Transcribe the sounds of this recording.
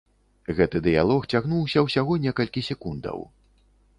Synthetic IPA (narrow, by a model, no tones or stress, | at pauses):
ɣɛt̪ɨd̪ɨja̰lˠɔxt͡sʲaɣnuwsʲɐwsʲaɣɔnʲɛkɐlʲkʲisʲɛkund̪ɐ̰w